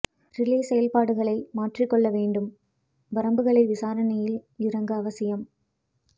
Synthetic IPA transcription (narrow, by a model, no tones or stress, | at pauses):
ɾɪleːsɛjɐlpaːɽɯɣɐɭɐɪmaːʈrɪkːɔɭːɐʋeːɳɖɯm | ʋɐɾɐmbɯɣɐɭɐɪʋɪsaːɾɐnɐjɪlɪɾɐŋɡɐɐʋɐsɪjɐm